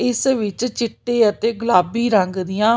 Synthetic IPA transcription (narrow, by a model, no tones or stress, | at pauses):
ɪsʋɪt͡ʃt͡ʃɪʈːeːət̪eːɡəlaːbiːɾəŋɡd̪ɪjãː